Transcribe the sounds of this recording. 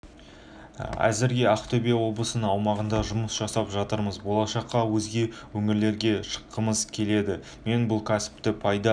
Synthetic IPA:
æ̰zɪɾɡʲe̞ɑqt̪ʰobijawo̞b̪ˠəsənəɴɑwmɑʁənd̪ɑʒʊməsʒ̥ɑsɑpʒɑt̪əɾməzbo̞lˠɑʃɑqʰːɑwɵzɡʲe̞wɵŋɪɾle̞ɾɡʲe̞ʃə̥qːəməzkʲʰe̞le̞d̪ɪ | me̞nbʊlˠkʲʰæsɪ̥p̚t̪ɪpʰɑjd̪ɑ

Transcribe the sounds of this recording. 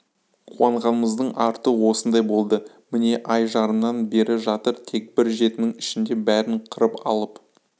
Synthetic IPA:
qʰuɑɴʁɑnəməzd̪əɴʔɑɾt̪əwo̞sənd̪ɑjbo̞lˠd̪ə | mɪne̞ʔɑjʒɑɾənːɑnbe̞ɾɪʒɑt̪əɾt̪ʰe̞k̚bɪɾʒe̞t̪ɪnɪŋɪʃɪnd̪e̞bæɾɪɴqʰəɾəpɑ̰lˠəp

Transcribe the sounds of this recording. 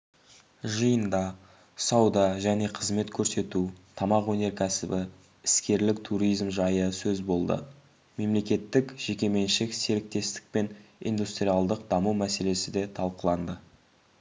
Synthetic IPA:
ʒəjənd̪ɑ | sɑwd̪ɑʒæne̞qʰəzme̞t̪kʲʰɵɾse̞t̪ut̪ʰɑmɑqwɵne̞ɾkʲʰæsɪbɪ | ɪskʲe̞ɾlɪk̚t̪ʰuɾijzmʒɑjəsɵzbo̞lˠd̪ə̰ | me̞mle̞kʲe̞t̪ːɪkʒ̥e̞kʲe̞me̞nʃɪkseɾɪk̚t̪e̞st̪ɪ̥k̚pe̞nḭnd̪ust̪ɾijɑlˠd̪əq̚d̪ɑmuwmæse̞le̞sɪd̪e̞t̪ʰɑlˠqəlˠɑnd̪ə

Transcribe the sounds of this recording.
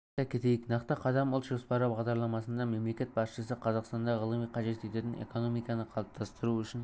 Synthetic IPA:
ækʲʰet̪ejɪknɑqt̪əqʰɑd̪ɑmʊlˠt̪ʒo̞spɑɾəbɑʁd̪ɑɾlˠɑmɑsənd̪ɑme̞mle̞kʲe̞t̪̚bɑsʃəsəqʰɑzɑqst̪ɑnd̪ɑʁəlˠəmijqʰɑʒe̞t̪e̞t̪et̪ɪnḛko̞no̞mijkɑnəqʰɑlˠəp̚t̪ʰɑst̪əɾuʏʃɪn

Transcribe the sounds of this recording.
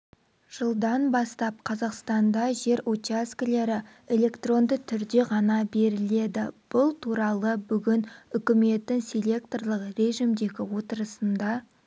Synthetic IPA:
ʒ̥əlˠd̪ɑnbɑst̪ɑp̚qʰɑzɑqst̪ɑnd̪ɑʒe̞ɾot̪iaskʲle̞ɾɪ | e̞lʲe̞kt̪ro̞nd̪ət̪ʰʏɾd̪e̞ʁɑnɑbe̞ɾɪle̞d̪ɪb̥ʊlˠt̪ʰuɾɑlˠəbʏɡʲɪnʏkʲɪme̞t̪ːɪŋsʲe̞lʲe̞k̚t̪orlˠəqre̞ʒimd̪e̞ɡʲɪwo̞t̪əɾəsənd̪ɑ

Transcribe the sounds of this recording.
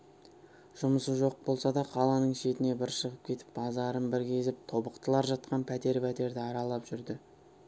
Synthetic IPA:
ʒ̥ʊməsəʒo̞q̚bo̞lˠsɑd̪ɑqʰɑlˠɑnəɴʃe̞t̪ɪne̞bɪɾʃəʁəp̚kʲʰe̞t̪ɪ̥pbɑzɑɾənbɪɾɡʲe̞zɪp̚t̪ʰo̞bəqt̪əlˠɑɾʒɑt̪qɑnpʰæt̪e̞ɾpʰæt̪e̞ɾd̪ɪɑɾɑlˠɑpʒ̥ʏɾd̪ɪ

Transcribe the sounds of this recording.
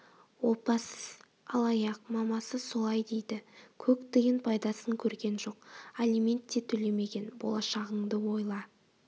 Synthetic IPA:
wo̞pɑsə | ɑlˠɑjɑqmɑmɑsəso̞lˠɑjd̪e̞jd̪ɪkʲʰɵkt̪eɡʲɪnpʰɑjd̪ɑsəŋkʲʰɵɾɡʲe̞nʒo̞qalʲimʲe̞nt̪ːe̞t̪ʰɵle̞me̞ɡʲe̞nbo̞̰lˠɑʃɑʁəɴd̪əwo̞jlˠɑ

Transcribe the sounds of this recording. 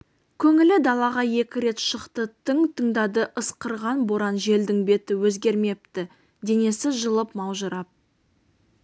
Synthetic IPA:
kʲʰɵŋɪlɪd̪ɑlˠɑʁɑje̞kʲɪɾe̞t̪ʃəqt̪ət̪ʰəŋt̪ʰəŋd̪ɑd̪əʔəsqəɾʁɑnboɾɑnʒe̞ld̪ɪŋbe̞t̪ɪwɵzɡʲe̞ɾme̞p̚t̪ɪ | d̪e̞ne̞sɪʒəlˠəpmɑwʒəɾɑp̚

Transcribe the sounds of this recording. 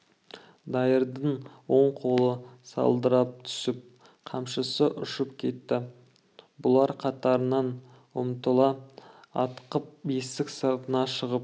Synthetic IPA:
d̪ɑjəɾd̪əɴwo̞ɴqʰo̞lˠəsɑ̰lˠd̪əɾɑp̚t̪ʰʏ̥sɪp̚ | qʰɑmʃəsəʔʏʃɪpkʲʰe̞t̪ːɪ | bʊlˠɑɾqʰɑt̪ɑɾənɑn | wʊ̰mt̪əlˠɑɑ̰t̪qəp̚best̪ɪksɑɾt̪ənɑʃəʁəp̚

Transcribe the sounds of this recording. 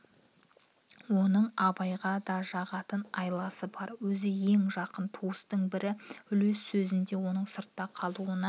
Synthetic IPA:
wo̞nəɴɑbɑjʁɑd̪ɑʒɑʁɑt̪ənɑjlˠɑsəbɑɾwɵzɪje̞ŋʒɑqənt̪ʰuəst̪əɴbɪɾɪʏle̞sːɵzɪnd̪e̞wo̞nəɴsəɾt̪ːɑqʰɑlˠuənɑ

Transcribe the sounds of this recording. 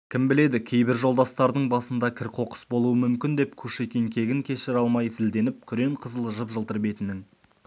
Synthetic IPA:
kʲʰɪmbɪle̞d̪ɪkʲʰe̞jbɪɾʒo̞lˠd̪ɑst̪ɑɾd̪əɴbɑsənd̪ɑkʲʰɪɾqʰo̞qə̥sbo̞lˠuəmʏmkʲɪnd̪e̞pkʲʰɵʃekʲe̞ŋkʲʰe̞ɡʲɪŋkʲʰe̞ʃɪɾɑlˠmɑjzɪld̪e̞nɪp̚kʲʰʏɾe̞ɴqʰəzəlˠʒəpʒəlˠt̪əɾbe̞t̪ɪnɪŋ

